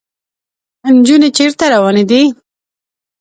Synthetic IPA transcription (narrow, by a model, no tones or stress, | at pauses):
nd͡ʒunet͡ʃeɾt̪aɾawɑned̪i